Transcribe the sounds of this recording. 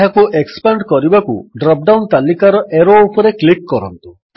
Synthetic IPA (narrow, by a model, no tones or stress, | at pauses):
ɦakuʔekspaɳɖkɔɾibakṵɖɾɔp̚ɖawnt̪alikaɾɔʔeɾoːpɔɾeklikːɔɾɔ̰nt̪u